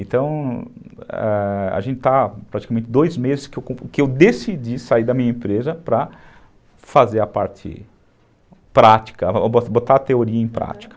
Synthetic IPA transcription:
ẽt̪ɐ̃w̃ | ɛ̰a̰ʒẽnt͡ʃɪt̪apɾat͡ʃi̥kamẽnt͡ʃ̪ɪd̪ojzmezɪskɪewkõkɪewd̪esid͡ʒisaiɾd̪ɐmĩɲɐẽpɾezɐpɾɐ | fazeɾɐpa̰ɾt͡ʃɪ̰ | pɾat͡ʃi̥kɐbobot̪at̪eoɾiɐẽj̃pɾa̰t͡ʃi̥kɐ̥

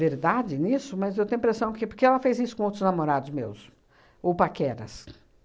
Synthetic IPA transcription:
eɾd̪ad͡ʒɪnisʊmɐzewt̪ẽɲ̃ĩpɾesɐ̃w̃kɪpʊɾkeɛlɐfejzisʊ̥kõowt̪ɾʊznamoɾad̪ʊzmḛws | owpakɛɾɐ̰s

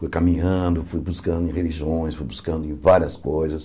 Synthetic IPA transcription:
fujkamĩɲɐ̃d̪ʊfujbuskɐ̃nd̪ʊẽheliʒiõj̃sfujbuskɐ̃nd̪ʊẽvaɾiɐskojzɐs

